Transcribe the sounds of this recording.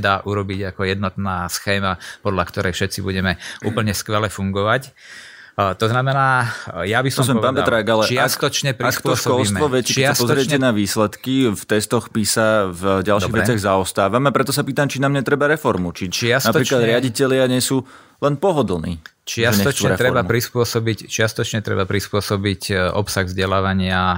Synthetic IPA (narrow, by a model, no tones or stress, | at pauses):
d̪aːʔuɾɔbiɟakɔjɛd̪nɔt̪naːsxɛːmapɔd̪lakt̪ɔɾʔɛjfʃɛt͡sibuɟɛmɛʔṵːpl̩ɲɛskʋɛlɛfuŋɡɔʋac | t̪ɔznamɛnaːjabisɔssɔɛpaːnpɛd̪ɾaːɡalɛakst̪ɔt͡ʃɲɛpɾakp̪ɔʃkɔlsmʋɔʋɛcɛkɛsaspɔzɾɪɛcɛnaʋiːslɛt̪kift̪ɛst̪ɔxpisavɟalʃiːvɛɛt͡sɪaɣzaɔst̪aːʋamapɾɛt̪ɔsapiːt̪amt͡ʃinaːmɲɛt̪ɾɛbaɾɛfɔɾmut͡ʃit͡ʃasnapɾiːklad̪ɾɪaɟicɛʎɪaɲɛsuː | lɛnpɔɦɔd̪l̩ˠnḭːt͡ʃɪasɲɛɔtuɛɾɛt̪ɾɛɾbamupɾispʊɔsɔbict͡ʃɪast̪ɔt͡ʃɲɛt̪ɾɛ̰bapɾispʊɔsɔbicʔɔ̰psaɣzɟɛlaːʋaɲɪa